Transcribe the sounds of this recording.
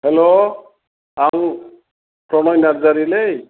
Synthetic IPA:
hɛlo | aw | pɾɔnɔjnaɾzaɾilej

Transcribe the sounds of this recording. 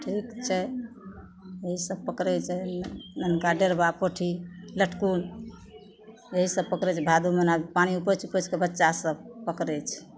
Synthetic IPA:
ʈʰikt͡ʃʰɛ | əɦisəb̚pəkɾɛt͡ʃʰɛnənkaɖeɾbapəʈʰiləʈʰkun | əɦisəb̚pəkɾɛt͡ʃʰbʱad̪umənabipañiupət͡ʃʰupət͡ʃʰkebətːʃasəbpəkɾɛt͡ʃʰ

